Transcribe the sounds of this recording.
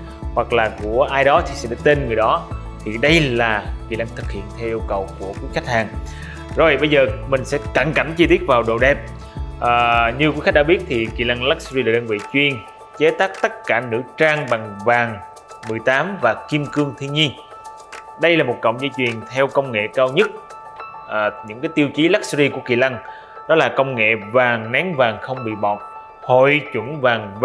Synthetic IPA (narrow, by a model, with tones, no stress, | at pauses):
hwa˨˩k̚laː˨˩ku˧˩əʔaː˧jɗɔ˨˦t̪ʰi˨˩sɛ̰˧˥ɗaː˧˥t̪e˧nŋɨ˨˩əjɗɔ˨˦ | t̪ʰi˨˩ɗə˧jlaː˨˩kḭ˧˩la˧ŋt̪ʰɨ˨˩k̚hḭ˧˨ənt̪ʰɛ˧wʔi˧əwkə˨˩wku˧˩əkwi˨˦xa˦˥k̚haː˨˩ŋ | zo˨˩jɓə˧jzəː˨˩mï˨˩ŋ̟sɛ̰˧˥ka˧˩ŋka˧˩mt͡ɕi˧t̪i˦˥ət̚vaː˨˩wɗo˨˩ɗɛ˨˧˩p̚ | ʔəː˨˩ɲɨ˧kwi˧˦xa˦˥k̚ɗaː˧˦ɓi˦˥t̚t̪ʰi˨˩kḭ˧˨la˧ŋla˦˥k̚szi˧laː˨˩ɗəː˧nvḭ˧˨t͡ɕwi˧˩ən | t͡ɕe˨˦t̪aː˦˥k̚t̪ə˦˥t̚kaː˧˩nɨ̰˧˥t͡ɕaː˧ŋɓa˨˩ŋvaː˨˩ŋ | mɨ˨˩əjt̪aː˨˦mvaː˨˩ki˧əmkɨ˧əŋt̪ʰi˧ənɲi˧ən | ɗə˧jlaː˨˩mo˨˩t̚kə̰˧˨wŋ͡mzəː˧jt͡ɕwi˨˩ənt̪ʰɛ˧wkə˧wŋ͡mŋḛ˧˨kaː˧wɲə˦˥t̚ | ʔɲɨ̰˧˥ŋkaː˨˦jt̪i˧wt͡ɕi˨˦la˦˥k̚szi˧ku˧˩əkḭ˧˨la˧ŋ | ɗɔ˨˦laː˨˩kə˧wŋ͡mŋḛ˧˨vaː˨˩ŋnɛ˨˦ŋvaː˨˩ŋxə˧wŋ͡mɓḭ˧˨ɓɔ˨˩t̚ | ho˧˨jt͡ɕwə˧˩nvaː˨˩ŋv